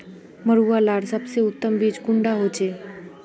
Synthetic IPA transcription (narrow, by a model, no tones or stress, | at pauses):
məɾuʋalaɽsəbseʊt̪ːəmbid͡ʒkuɳɖaɦot͡ʃʰe